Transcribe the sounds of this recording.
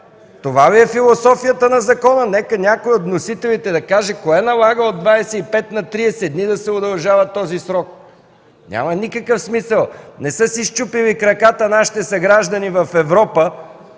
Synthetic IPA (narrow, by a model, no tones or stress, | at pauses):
t̪ovaviɛfilˠosɔfijət̪ənɐzɐkɔnənɛkənʲakoiot̪nosit̪ɛlit̪ɛd̪ɐkaʒɛkoɛnɐlˠaɡəod̪vaɛsɛipɛt̪nɐt̪ɾiɛsɛd̪nid̪ɐsɛod̪ɐlˠʒavɐt̪ːɔzisɾɔk̚ | nʲʔa̰mənikəkəfsmisəlˠnɛsɤsiʃt͡ʃupilikɾɐkat̪ənaʃi̥t̪ɛsɐɡɾaʒd̪ɐnivɐfɛvɾɔpə